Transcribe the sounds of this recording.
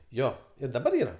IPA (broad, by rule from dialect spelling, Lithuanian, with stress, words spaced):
ˈjoː ɪr dɐˈbɐr ˈiːrɐ